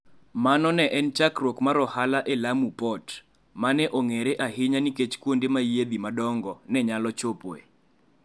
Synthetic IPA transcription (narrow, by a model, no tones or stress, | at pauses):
manɔnɛʔɛnt͡ʃakɾokmaɾɔhalaʔelamupɔt | manɛʔoŋeɾeʔaɦɪɲaniket͡ʃkwondemajed̪imadɔŋɡɔnɛɲalɔt͡ʃopoḛ